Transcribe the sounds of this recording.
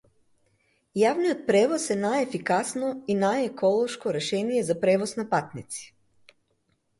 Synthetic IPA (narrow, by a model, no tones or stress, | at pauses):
jaʋnijot̪̚pɾɛʋosenajefikasnoinajekʰolˠoʃkoɾɛʃɛnijezapɾeʋosnapat̪nit̪si̥